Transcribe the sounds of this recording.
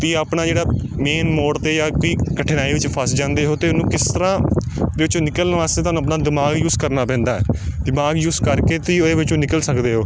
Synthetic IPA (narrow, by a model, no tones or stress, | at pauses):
t̪iaːpnaːd͡ʒeːɽaː | meːnmoːɽt̪eːjaːkoːiːkəʈʰːɪnaːiːʋɪt͡ʃpʰəsd͡ʒãːnd̪eːɦoːt̪eːnũːkɪst̪əɾãːd̪eːʋɪt͡ʃõːnɪkəlnʋaːst̪eːt̪oːñːəp̬naːd̪ɪmaːɡjuːzkəɾnaːpɛ̃ːnd̪aːɛ̰ːd̪ɪmaːɡjuːskəɾkeːt̪iːoeːʋɪt͡ʃõːnɪkəlsəkd̪eːɦoː